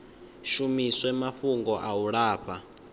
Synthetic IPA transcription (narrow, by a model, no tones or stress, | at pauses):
ʃumiswɛmaɸuŋɡɔʔawuɺaːɸʰa